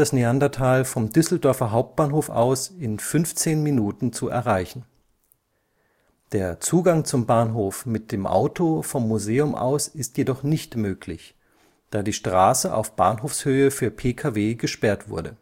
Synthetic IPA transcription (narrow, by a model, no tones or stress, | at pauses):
d̥asniandɐtʰaːlfɔmdʏsl̩dœɐfɐɦaʊp̚t̚b̥aːnɦoːfa̰ʊsɪnfʏnft͡seːnminuːtn̩t͡suɛ̰ɐʁaɪçn̩ | d̥eːɐt͡suːɡaŋt͡sʊmbaːnɦoːfmɪt̚d̥eːmʔa̰ʊtʰofɔmːuzeːʊmʔa̰ʊsɪstjedɔχnɪçtmøːkʰlɪç | d̥aːdiːʃtʁ̥aːsəʔa̰ʊfb̥a̰ːnɦoːfshøːəfyːɐpʰeːkʰaːveːɡəʃpɛɐtv̥ʊ̰ɐɾə